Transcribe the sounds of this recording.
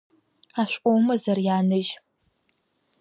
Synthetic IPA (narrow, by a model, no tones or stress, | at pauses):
aːɕʷʼowmɐzɐrjaːnɨʒ